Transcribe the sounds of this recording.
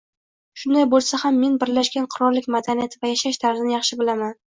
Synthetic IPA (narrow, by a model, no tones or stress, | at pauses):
ʃʊnd̪ajbolˠsahamːe̞nbɪɾlaʃɡʲanqʰʊɾɒɾlɪkʲmad̪anijat̪ʰɪvajaʃaʃt̪ʰaɾzɪnɪjɑχʃɪbɪlaman